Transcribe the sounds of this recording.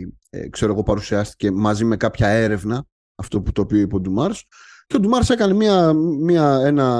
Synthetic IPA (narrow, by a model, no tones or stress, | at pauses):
kse̞ɾo̞eɣo̞pɐɾusiɐst̪i̥ce̞mɐzime̞kɐpçɐe̞ɾe̞vnɐ | ɐft̪o̞put̪o̞ːpio̞ipod̪umɐɾs | ce̞od̪umɐɾse̞kɐne̞miɐmiɐe̞nɐ